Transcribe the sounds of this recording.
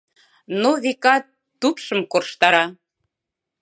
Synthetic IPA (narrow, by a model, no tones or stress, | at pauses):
noβekɑ | upʃə̆mkorʃt̪ɑɾɑ